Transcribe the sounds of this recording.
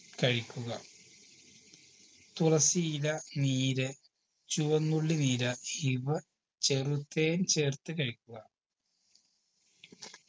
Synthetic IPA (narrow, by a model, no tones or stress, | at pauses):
kɐɻikʲːuɣɐ | t̪urɐsijlɐniːɾɐ | t͡ɕuʋɐnːuɭːiniːɾɐiʋɐ | t͡ɕerut̪ːeːnt͡ɕeːrt̪ːɨkɐɻikʲːuɣɐ